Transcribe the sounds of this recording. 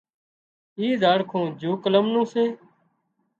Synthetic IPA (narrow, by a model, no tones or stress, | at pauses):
iːzaːɽkʰõːd͡ʒuːkələmnũːsẽː